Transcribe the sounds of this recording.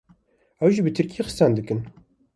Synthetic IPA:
ɛwʒiːbɨt̪ʰɨɾkʰijexɨ̥st̪ɑːnd̪ɨkɨn

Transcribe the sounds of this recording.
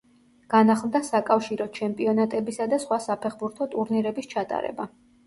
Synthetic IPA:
ɡ̥anaχlˠd̪asakʼafʃiɾɔt͡ʃʰɛmpʼiɔnat̪ʼɛbisad̪asχwasapʰɛχbuɾt̪ʰɔt̪ʼuɾniɾɛbist͡ʃʰat̪ʼa̰ɾɛ̰ba

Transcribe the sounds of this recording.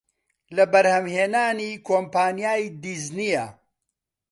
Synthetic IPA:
lɐbɐɾhɐmheːnaːnikʰoːmpaːnijaːjd̪iznijɐ

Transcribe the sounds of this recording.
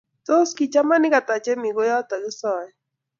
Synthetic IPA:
t̪oskit͡ʃamaniɡat̪at͡ʃemiɡojat̪aɯsawaj

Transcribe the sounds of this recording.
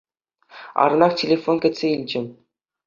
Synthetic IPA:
ɑ̰ɾɤ̆nɑχtʲelʲefonkʲɘ̆tʲsʲeilʲd͡ʑɘ̆

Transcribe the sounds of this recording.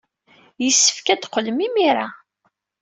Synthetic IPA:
jəsːə̥fkæd̪qːəlmimiɾa

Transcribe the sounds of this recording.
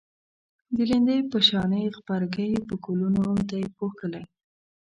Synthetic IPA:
d̪əlɪnd̪əjpəʃɑnəjxpɑɾakəjpəkolunomt̪ajepoxkəlaj

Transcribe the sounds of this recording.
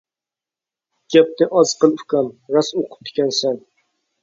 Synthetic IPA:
ɡ̥ʲap̚nɪʔɑzqɨlˠfkɑmɾasoqʰʊ̥p̚t̪ʰɪ̥kʲɛnsæŋ

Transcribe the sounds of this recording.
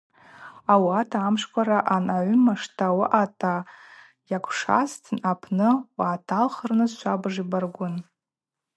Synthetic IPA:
awatʰamʂkʷʰaɾaʔanaʕʷʊmaʂtʰawaʔatʰʼa | jakʷʰʂa̰stʰnapʰnɨwaːtʰalχərnɨzʃʷabʐibarɡʷʊn

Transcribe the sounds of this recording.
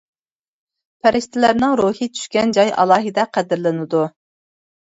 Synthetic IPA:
pʰæɾɪʃt̪ʰɪlæɾnɨŋɾuhit͡ʃ̪ʰy̥ʃkʲɛnd͡ʒɑjɑ̰lˠɑːɦɨd̪ɛqʰæd̪ɪɾlˠɨnɨd̪u

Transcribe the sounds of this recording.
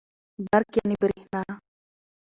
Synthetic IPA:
baɾkjanibəɾihna

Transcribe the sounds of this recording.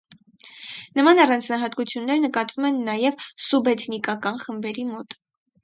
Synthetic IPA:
nəmɑnɑrɑnt͡sʰnɑɦɑt̪kut͡sʰjunːɛɾnəkɑt̪vumɛnːɑjɛvsubɛt̪ʰnikɑkɑnχəmbɛɾimɔt̪

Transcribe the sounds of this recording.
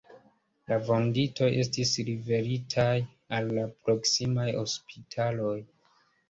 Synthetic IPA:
lavo̞ndito̞je̞stisɾive̞ɾitʰaj | alːapɾo̞ksimajo̞spitʰalo̞j

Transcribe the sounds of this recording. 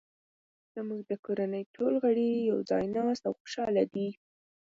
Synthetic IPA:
z̥əmuɡ̚d̪əkoɾanəjʈʰolɣaɽijawd͡zɑ̰jnɑst̪awxʊ̥ʃɑlad̪i

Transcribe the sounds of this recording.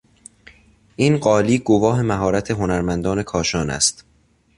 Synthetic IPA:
ʔiːnɢɒːliːɡovɒːɦe̞mæɦɒːɾæt̪ʰe̞ɦonæɾmænd̪ɒːne̞kʰɒːʃɒːnæ̰st̪

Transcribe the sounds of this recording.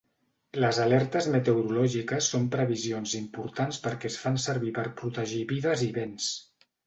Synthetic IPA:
ləzalɛɾt̪əzmət̪əwɾulɔʒikəsːompɾəβizionzimpuɾt̪anspəɾkɛsfansəɾβipəɾpɾut̪əʒiβiðəziβens

